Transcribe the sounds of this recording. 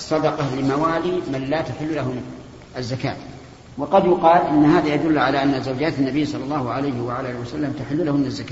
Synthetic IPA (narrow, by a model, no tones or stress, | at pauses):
ɑsˤːɑd̪ɑqɑlɪmawaːliːmanlat̪aħɪlːʊlaɦʊn | ʔazːaka̰ːt̪ | wɑqɑd̪jʊqɑːlʔɪnːhaːðajad̪ʊlːʕalaʔanːazawd͡ʒaːt̪anːabɪːsˤɑlːɑlːɑːhʊʕalajhɪwaʕalaːwasalːamt̪aħɪlːʊlahʊnːazːaka